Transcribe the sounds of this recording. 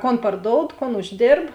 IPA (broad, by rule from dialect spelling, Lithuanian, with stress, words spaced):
ˈkoːn pɐrˈdoːʊt ˈkoːn ʊʒʲˈdʲeːrp